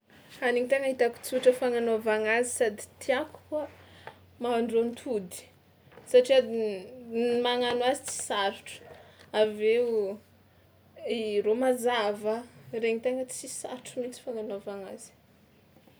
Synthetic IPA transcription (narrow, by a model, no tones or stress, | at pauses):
aniŋit̪eŋəit̪aku̥t͡suʈ͡ʂəfaŋanovaŋazisad̪i̥t̪ʰiaku̥kuə | maɳɖ͡ʐont̪ʰud̪i̥ | saʈ͡ʂia | maŋanuazit͡si̥saɾiʈ͡ʂu̥aveu | iromazavəreŋit̪eŋət͡sisa̰ɾiʈ͡ʂumit͡si̥faŋanovaŋazi̥